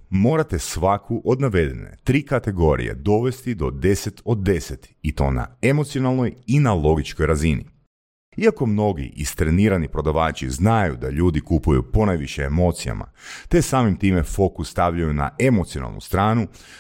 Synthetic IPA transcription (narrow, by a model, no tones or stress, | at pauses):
mo̞ːɾat̪e̞sʋakʰuʔo̞d̪naʋe̞d̪enḛt̪ɾiːkat̪e̞ɡo̞ɾḭje̞̰d̪o̞ʋe̞st̪id̪o̞d̪e̞se̞t̪o̞d̪ːe̞set̪it̪o̞̰ːna̰e̞mot̪sijo̞nalˠno̞jinalo̞ɡit͡ʃkojɾazinḭ | iako̞mno̞ɡḭʔist̪ɾeniːɾanipɾo̞d̪aʋaːt͡ʃḭznajud̪aʎuːd̪ikupujṵpo̞najʋiʃeːmo̞ːt̪sija̰ma̰t̪e̞saːmimt̪iːme̞fo̞kusːt̪aʋʎajuna̰ʔe̞mo̞t̪siona̰lˠnṵst̪ɾaːnu